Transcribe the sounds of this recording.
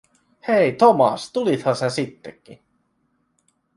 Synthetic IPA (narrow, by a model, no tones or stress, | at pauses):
hejt̪omɑ̰st̪ulit̪hɑnsensit̪ːekːḭ